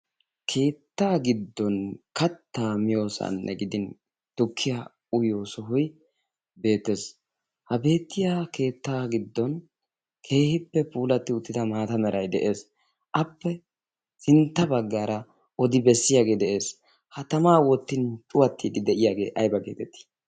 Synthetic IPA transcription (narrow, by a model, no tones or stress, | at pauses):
kʰe̞ːt̪ːaːɡɪd̪ːɔnkɐt̪ːaːmɪjo̞ːsɐ̰nːʔɛ̰ɡɪd̪ɪn | t̪ʊkʰːɪja | ʊjoːsɔɦʊj | be̞ːt̪ːeːs | hɐbe̞ːt̪ːɪjaːke̞ːt̪ːaːɡɪd̪ːɔn | kʰe̞ːhɪpːɛpuːlɐt̪ːɪʊt̪ːɪd̪ɐmaːt̪ɐmɛɾɐjd̪ɛʔe̞ːs | ʔɐpːɛ | sɪnt̪ːɐbɐɡːaːɾɐ | ʔɔd̪ɪbɛsːɪjaːɡe̞ːd̪ɛʔe̞ːs | hɐt̪ɐmaːwɔt̪ːɪnt͡ʃʼʊwɐt̪ʰːid̪ɪd̪ɛʔɪjaːɡe̞ːʔɐjbɐkḛːt̪ɛt̪ːi̥